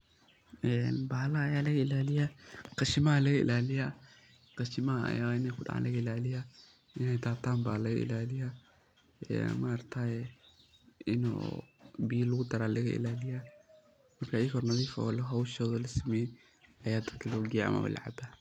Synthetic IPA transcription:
ɛnbaːlɐːjaːlɐɣɐɪlaːlɪjɐqɑʃɪmɐɦɐlɐɣɐɪ̰laːlɪjɐ | qɑʃɪmɐɦɐɐ̰jaːwaɪnɛjkʰʊɖɑ̰ʕa̰ːnlɐɣɐɪlaːlɪjɐ | ɪnɛjd̪aːt̪ʰaːmbaːlɐɣɐʔɪ̰laːlɪjɐ | ɛ̰ːmɐːrt̪ʰaːjɛ | ɪnɔ̰biːlːʊɣʊd̪ɐɾaːlɐɣɐʔɪ̰laːlɪjɐ | mɐrkʰaiːkɔrnɐðiːfɐ̰ɔːlɐɣɦɐwʃɔːðɔlɐsɪmɛjɛ | ɐjaːd̪ɐd̪kʰɐlɔɡɪjaʔɐ̰mɐ̰wɐ̰lɐ̰ʕa̰bɐ

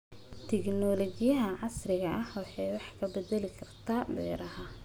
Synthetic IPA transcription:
t̪ʰɛɡnɔlɔɡɪjɐɦɐʕɑsrɪɣɐʔɐhwɑħɑjwɑħkʰɐbɛd̪ɛlɪkʰɐrt̪ʰaːbɛ̰ːɾɐɦɐ

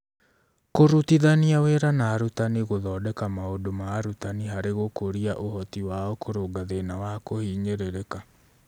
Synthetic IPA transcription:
koɾutiðaniaweɾanaːɾutaniɣoðɔːdɛkamaodomaːɾutaniɦaɾeɣokoɾiaʔohɔtiwaɔkoɾoːɡaðenawakohiːɲeɾeɾeka

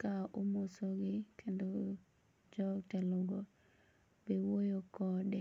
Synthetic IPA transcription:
kaʔomosoɡɪkʰendo | d͡ʒɔtɛlʊɡɔ | bewojokɔdɛ

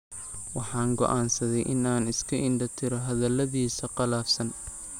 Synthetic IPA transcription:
wɑħɑːŋɡɔ̰ʔaːnsɐðɛjʔɪnaːnɪskʰɐʔɪnɖɐt̪ʰɪɾɔɦɐðɐlːɐðiːsɐqɑlaːfsɐn

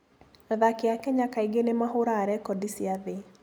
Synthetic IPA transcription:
aðakeakɛɲakaiɡenemaɦoɾaːɾɛkɔdisiaðe

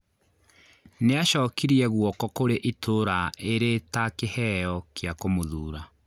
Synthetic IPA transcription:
neaɕɔːkiɾiɛɣwɔkɔkoɾeʔitʰoɾaeɾetakehɛjɔkeakomoðuːɾa

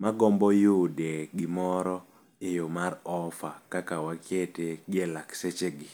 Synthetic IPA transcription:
maɡɔmbɔjodeɡɪmɔɾɔ | ejomaɾɔfakakawakʰjeteɡelakset͡ʃeɡɪ

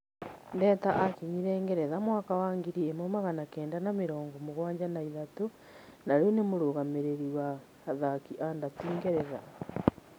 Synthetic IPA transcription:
ndɛːtaʔakiɲiɾɛːŋɡɛɾɛðamwaːkawaːŋɡiɾiemomaɣanakɛːndanameɾɔːŋɡɔmoɣwaːɲd͡ʑanaiðato | naɾeonemoɾoːɣameɾeɾiwa | ðakiʔandatiːŋɡeɾɛða

